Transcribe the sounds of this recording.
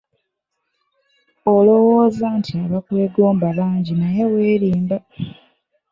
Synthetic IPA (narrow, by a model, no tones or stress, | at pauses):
olo̞wo̞ːzantʰiaβakwe̞ːɡo̞ːmbaβaːɲɟinaje̞we̞ːɾiːmba